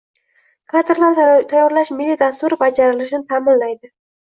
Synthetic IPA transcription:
kʰat̪ʰɪɾlaɾt̪ʰajːɒɾlaʃmɪlːid̪ast̪ʊɾɪbad͡ʒaɾɪlɪʃɪnɪt̪ʰamɪnlajd̪ɪ

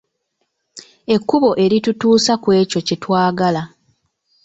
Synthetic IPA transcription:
e̞kːuβo̞ʔe̞ɾitutuːsakwe̞ːco̞cetwaːɡala

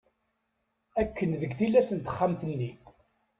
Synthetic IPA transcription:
ækːənðəɡθilːæsənt̪ə̥χːamθənːi

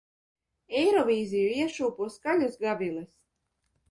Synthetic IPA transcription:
ɛjɾɔvʲiːzijuiɛʃuːpuɔskalʲusɡavʲilˠɛs

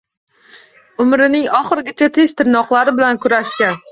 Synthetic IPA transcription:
ʊmɾɪnɪŋɒχɨɾɡʲɪt͡ʃʰat̪ʰeʃt̪ʰɪɾnɒqlˠaɾɪbɪlankʰʊɾaʃkʲan

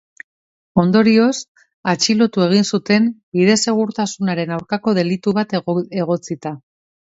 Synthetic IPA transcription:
o̞nd̪o̞ɾio̞s | at͡ʃilo̞t̪ue̞ɣ̞insut̪e̞mbiðe̞se̞ɣ̞uɾt̪asunaɾe̞nawɾkako̞ð̞e̞lit̪uβat̪e̞ɣo̞t͡sit̪a

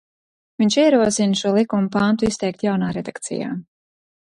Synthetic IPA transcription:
viɲʲt͡ʃiɛɾuɔsinʃuɔlˠikumupant̪uist̪ɛjk̚t̪jawnaːɾɛd̪akt̪sḭja̰ː

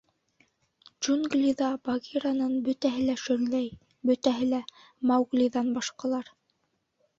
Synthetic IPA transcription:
d͡ʒunɡlʲiðɑbɑɡiɾɑnɤnbɵ̆t̪æɦɘlæʃɵ̆ɾlæj | bɵ̆t̪æɦɘlæ | mɑwɡlʲiðɑnbɑʃqɑlˠɑɾ

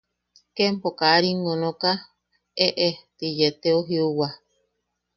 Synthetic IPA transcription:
kempokaɾiŋonõka | eʔet̪ijet̪eoɦiuwa

